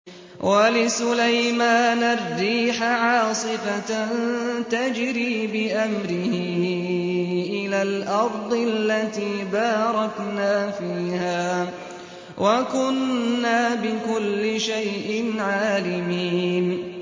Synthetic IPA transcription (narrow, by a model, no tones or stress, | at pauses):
wʔalɪsʊlajmaːnarːiːħaʕɑːsˤɨfant̪ad͡ʒɾiːbɪʔamɾɪhɪ | ʔɪlaːlʔɑɾˤd̪ˤɪllːat̪iːbɑːɾˤɑknaːfiiːhaː | wʔakʊnːaːbɪkʊlːɪʃajʔɪnʕaːlɪmiːn